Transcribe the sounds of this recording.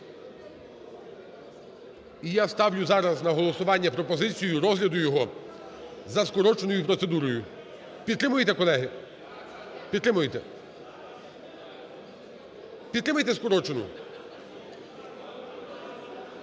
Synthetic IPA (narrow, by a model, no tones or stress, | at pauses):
ijast̪ɑwlʲʊzɑɾɐznɐɦɔlˠɔsʊʋɑnʲːɐpɾɔpɔzɪt͡sʲijʊɾɔzɦlʲɐd̪ʊjɔɦɔ | zɐskɔɾɔt͡ʃenɔjʊpɾɔt̪sed̪uɾɔjʊ | pʲid̪t̪ːɾɪmʊjet̪ɛkɔlˠɛɦɪ | pʲd̪t̪ːɾɪmʊjet̪ɛ | pʲid̪ɾɪmɐjt̪ɛskɔɾɔt͡ʃenʊ̰